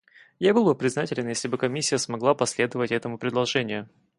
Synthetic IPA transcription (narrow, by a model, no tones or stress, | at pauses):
jabɨlˠbɨpɾʲɪznatʲɪlʲɪnjesʲlʲɪbɨkɐmʲisʲːɪjəsmɐɡlˠapɐsʲlʲe̞d̪əvətʲɛt̪əmʊpɾʲɪd̪lˠɐʐɛnʲɪjʊ